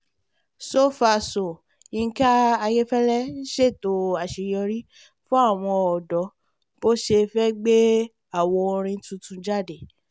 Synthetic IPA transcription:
so˦fa˧so˨ | i˨˧˦ka˦a˧je˦fɛ˦lɛ˦n̩˦ʃe˦˨to˨˦a˨ʃe˧jɔ˧ɾi˦ | fũ˦a˦˨w̃ɔ̃˧ɔ˨dɔ˨˦ | b̥o˦ʃe˧fɛ˦ɡ͡be˦ | a˦˨wɔ˧o˧ɾ̃ĩ˧˦tũ˦tũ˧d͡ʒa˦˨de˨

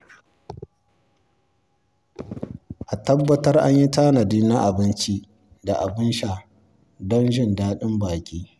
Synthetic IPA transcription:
ʔa˨tɐ˦bːɐ˦tɐ˦rʔa̰˦ɲji˦taː˦nɐ˨diː˦na˦ʔa˨bɪ˦nt͡ʃi˦ | da˨ʔa˨bɪ˦nʃa˨ | dɔ˦nʒɪ˦˨ndaː˦ɗɪ˦mbaː˨kʲʼiː˦

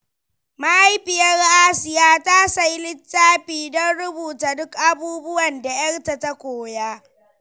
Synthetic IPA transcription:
ma˦ʔa˦jɸɪ˨jɐ˦rʔaː˦sɪ˨jaː˦ta˦sa˦jlɪ˦tːaː˦ɸiː˨dɔ˦nɽʊ˦buː˨taː˨dʊ˦kʔa˦buː˦bʊ˦wɐ˨nda˨jɐ˦rta˨ta˦kʷoː˨ja˦

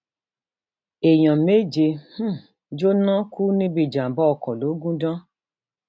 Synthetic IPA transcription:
e˨j̃ɔ̃˨me˦˨d͡ʒe˧h̩˦ | d͡ʒo˦nã˦kʰu˦nĩ˦bi˦˨d͡ʒã˨bɔ˦ɔ˧kɔ̃˨lo˨˦ɡũ˦dã˦

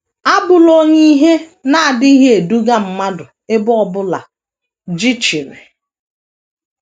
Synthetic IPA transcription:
a˦bʊ˨lo˦ɲe˦ɦe˦na˦a˨dɪ˦i˦ɦe˦e˨du˦ɡa˦m̩˦ma˦dʊ˨ | ɪ˦bʊ˦ɔ˦bʊ˦la̰˨ | d͡ʒi˦t͡ʃi˨ɾḛ˨

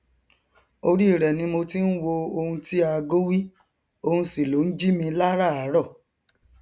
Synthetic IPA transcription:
o˧ɾi˦i˦˨ɾɛ˨nĩ˨˧mo˧ti˦n̩˦wo˧o˧hũ˧ti˦a˧ɡo˦wi˦ | o˧hũ˧si˨lo˨˦n̩˦d͡ʒi˦mĩ˧la˦ɾa˦˨a˨˦ɾɔ˦˨

